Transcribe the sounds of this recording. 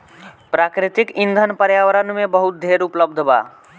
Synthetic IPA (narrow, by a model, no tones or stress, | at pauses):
pɾaːkɾɪt̪ɪkɪ̃nd̪ʱənpəɾjaːʋəɾənmẽbəɦʊt̪̚d̪ʱeːɾʊpləb̚d̪ʱba̰ː